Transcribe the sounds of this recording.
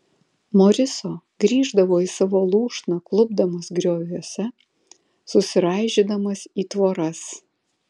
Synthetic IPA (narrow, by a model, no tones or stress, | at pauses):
moːɾʲɪsoː | ɡɾʲiːʒd̪ɐʋoːiːsɑːʋoːlˠuːʃnɐklˠʊbd̪ɐmɐsɡɾʲoːʋʲusʲɛ | sʊsʲɪɾɑˑɪʒʲid̪ɐmɐsiːt̪ʋoːɾɐs